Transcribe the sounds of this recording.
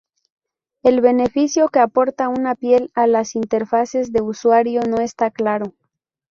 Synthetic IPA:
e̞lβe̞ne̞fisjo̞ke̞apo̞ɾt̪aunapje̞lalasint̪e̞ɾfase̞zðe̞uswaɾjo̞no̞e̞st̪aklaɾo̞

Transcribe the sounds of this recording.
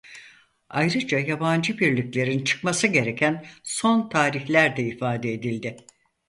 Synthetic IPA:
ajɾɯd͡ʒajaband͡ʒɯbiɾlʲiclʲe̞ɾint͡ʃʰɯ̥kmasɯɟe̞ɾe̞cʰænso̞nt̪ʰaːɾiçlʲæɾd̪ɛifaːd̪eed̪ilʲd̪ɪ

